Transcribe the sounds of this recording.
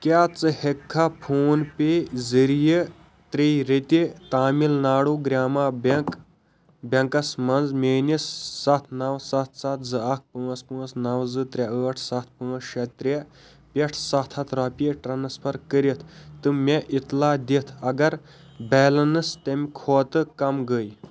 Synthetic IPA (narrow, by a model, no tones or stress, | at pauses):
kʲjaːt͡sɨhekʰːaːpʰoːnpʲezɨɾijə | t̪ɾejɾet̪ʲit̪aːmilnaːɽuːɡɾʲaːmaːbk | bʲɐŋkɐsmɐnzmeːnisːɐt̪ʰnɐwsɐt̪ʰsɐt̪ʰzɨɐk̚pɨːɐspɨ̃ːɐsnɐwzɨt̪ɾʲɐəːʈʰsɐt̪̚ʰpɨːɐsʃɐt̪̚ʲt̪ɾʲe | pʲeʈʰsɐt̪ʰɐt̪ʰɾɐpʲiʈɾɐnɐspʰɐɾkəɾit̪ʰt̪ɨmʲeʔit̪laːd̪it̪ʰɐɡɐɾ | bɛːlɐnɨst̪ɐmʲkʰoːt̪ɨkɐmɡəj